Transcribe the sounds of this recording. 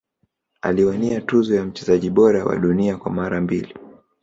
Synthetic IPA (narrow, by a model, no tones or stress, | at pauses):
a̰liwaniatuzɔjam̩t͡ʃɛzaʄiɓɔɾawa̰ɗuniakwamaɾambili